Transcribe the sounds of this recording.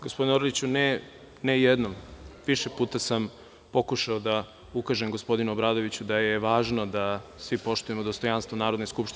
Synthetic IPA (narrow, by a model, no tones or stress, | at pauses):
ɡospd̪inoɾolit͡ɕune | nejed̪nomʋiʃepuːt̪asam | po̞kuʃaod̪a | ukaʒemɡo̞spo̞d̪inuobɾaːd̪o̞ʋit͡ɕud̪ajeʋaːʒno̞d̪asʋipo̞ʃt̪uje̞mod̪o̞st̪o̞janst̪vonaːɾo̞d̪neskupʃt̪i